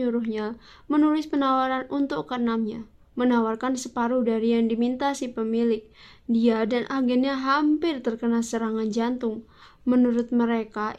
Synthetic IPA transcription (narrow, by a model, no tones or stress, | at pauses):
uɾʊɦɲa | mənulɪspənawaɾanunt̪ʊkːənamɲa | mənawarkansəpaɾudaɾijaŋdimint̪asipəmilɪk̚ | diadanʔaɡɛnɲaɦampɪrt̪ərkənalsəɾaŋand͡ʒant̪ʊŋ | mənuɾʊt̪̚məɾeka